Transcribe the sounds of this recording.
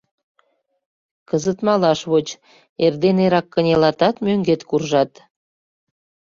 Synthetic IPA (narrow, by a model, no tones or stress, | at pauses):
kəzət̪mɑlɑʃβot͡ɕ | erd̪eneɾɑkːənʲelɑt̪ɑt̪møŋɡet̪kurʒɑt̪